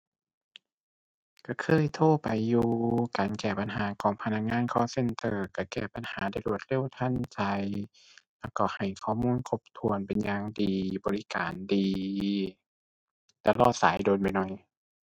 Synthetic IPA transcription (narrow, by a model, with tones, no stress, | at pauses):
ka˧˩kʰɤː˧˥˨jt̪ʰoː˧˩˨pa˨jːuː˧kaː˨nkɛː˧˩pa˨nɦaː˨˦kʰɔː˨˦ŋpʰa˧na˧˩k̚ŋaː˧˥˨nkʰɔː˧˥˨se˧˥˨nt̪ɤː˧˩ka˧˩kɛː˧˩pa˨nhaː˨˦da˧˩jlu˧˩ə˦t̪̚le˧˥˨wt̪ʰa˧˥˨nt͡ɕa˧j | lɛː˧˩wkɔ˧˩ha˨˩jkʰɔː˧˨muː˧˥˨nkʰo˧˩p̚t̪ʰu˧ənpe˨nɲaː˧ŋdiː˨bɔː˨˦li˦ka̰ː˨ndiː˨ | t̪a˧lɔː˧˩t̪̚sa̰ː˨˦jdoː˨˦npa˨jnɔ˧˩j